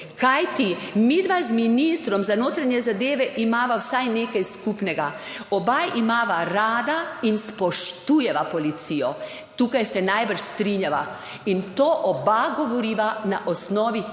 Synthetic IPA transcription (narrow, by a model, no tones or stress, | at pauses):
kajt̪imid̪ʋazminist̪ɾɔmzanoːt̪ɾaɲjɛzad̪eːʋɛʔimaːʋawsajneːkajskuːpnɛɡa | ɔbajʔimaːʋaɾaːd̪ainspɔʃt̪ujɛʋapɔlit̪siːjɔ | t̪uːkajsɛnajbəɾʃst̪ɾiɲjaʋa | int̪oːʔɔbaɡɔʋɔɾiːʋanaʔɔsnɔːʋi